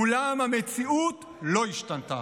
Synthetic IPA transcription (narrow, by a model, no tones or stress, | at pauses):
ulamhamet͡siut | lo̞iʃtant̪a̰